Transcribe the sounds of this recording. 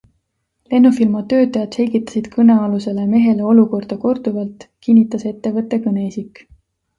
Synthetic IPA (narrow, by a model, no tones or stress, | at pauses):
le̞nːufilmɑt̪ø̞ːt̪ːˑɑjɑd̪̥se̞lʲɡ̥it̪ːˑɑ̥sid̪̥kʰɤne̞ɑluse̞le̞me̞ɦe̞le̞o̞luko̞rd̪̥ɑko̞rd̪̥uvɑlt̪kinʲːit̪ːˑɑse̞t̪ːe̞vɤt̪ːˑe̞kɤne̞isikːˑ